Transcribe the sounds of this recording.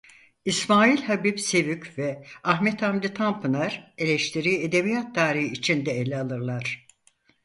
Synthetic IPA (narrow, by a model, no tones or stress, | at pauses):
ismaːilʲhabipse̞vycvɛaɦmɛt̪ʰamd̪ʲit̪ʰampʰɯnaɾe̞lʲɛʃt̪ʰiɾiːed̪ebijat̪̚d̪aːɾihiːt͡ʃʰind̪ɛelʲɛalˠɯɾlˠaɾ̥